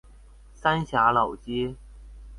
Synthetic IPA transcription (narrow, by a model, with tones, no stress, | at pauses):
sa˥nɕja˧˥lɑ˨˩ʊt͡ɕi˥